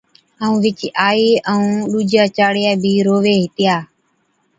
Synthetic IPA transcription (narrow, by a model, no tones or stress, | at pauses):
əũːʋɪt͡ʃːʔaːiːʔəũːɗuːd͡ʒaːt͡ʃaːɽɪjaːbʱiːɾoːʋeːɦɪt̪ɪjaː